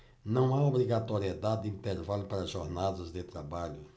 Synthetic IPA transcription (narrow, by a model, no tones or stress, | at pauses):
nɐ̃w̃aobɾiɡat̪oɾied̪ad̪ɪd̪ɪĩnt̪eɾvalʊpaɾɐʒɔɾnad̪ɐzd̪ɪt̪ɾabaʎʊ